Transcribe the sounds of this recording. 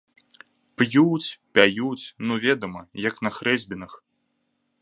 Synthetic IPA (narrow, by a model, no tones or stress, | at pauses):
pjut͡sʲpʲajut͡sʲnuvʲɛd̪ɐmɐjɐknɐxɾɛzʲbʲinɐx